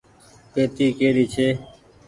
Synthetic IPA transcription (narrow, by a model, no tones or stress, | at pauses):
p̪eːt̪iːkeːɽiːt͡ʃʰeː